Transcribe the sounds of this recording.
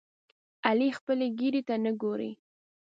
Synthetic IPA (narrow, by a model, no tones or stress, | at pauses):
alixpəleɡiɾet̪anəɡoɾḭ